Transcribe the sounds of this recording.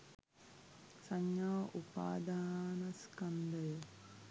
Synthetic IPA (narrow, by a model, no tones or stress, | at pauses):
saɲːjaːʔupa̰ːd̪aːnɐskand̪əj